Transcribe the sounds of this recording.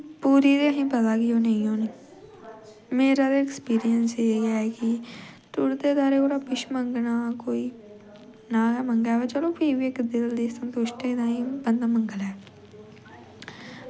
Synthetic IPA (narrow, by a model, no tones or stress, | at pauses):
puːɾiːd̪eɦĩːpəd̪aːɡɪjoːnəĩːoːniː | meːɾaːd̪eːkspiːɾɪjənseːɡaːɛːkɪʈ̪ʊɽd̪eːd̪aːɾeːoːɽaːpɪʃməŋɡnaːkoːiː | naːməŋɡɛːʋaːt͡ʃəlõːpʰiːʋiɪkd̪ɪld̪iːsənt̪oːʃʈ̪eːɪd̪ãːĩːbənd̪aːməŋɡəlɛː